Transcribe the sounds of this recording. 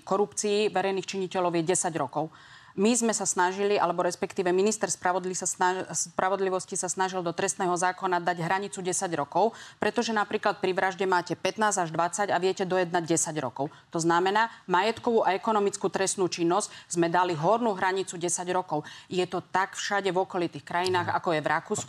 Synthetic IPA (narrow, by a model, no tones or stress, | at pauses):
kɔɾupt͡siːʋɛɾɛjniːxt͡ʃiɲicɛlɔʊjɛɟɛsaɟɾɔkɔʊ | mizmɛsasnaʒiliʔa̰lɛbɔɾɛspɛkt̪iːʋɛminist̪ɛɾspɾaʋɔd̪lisasaspɾaʋɔd̪liʋɔscisasnaʒild̪ɔt̪ɾɛst̪nɛːɦɔzaːkɔnad̪aɟɦɾaɲit͡suɟɛsaɟɾɔkɔʊpɾɛt̪ɔʒɛnapɾiːklat̪̚pɾiʋɾaʒɟɛmaːcɛpɛt̪naːzaʒd̪ʋat͡saɟaʋɪɛcɛd̪ɔjɛd̪naɟɟɛsaɟɾɔ̰kɔʊt̪ɔznamɛnaːmajɛt̪kɔʋuʔaɛkɔnɔmit͡skut̪ɾɛst̪nuːt͡ʃinːɔzɟzmɛd̪aliɦɔɾnuɦɾaɲit͡suɟɛsaɟɾɔkɔʊjɛt̪ɔt̪akfʃaɟɛʋɔkɔlit̪iːxkɾajinaːɣa̰kɔjɛvɾʔakuːsk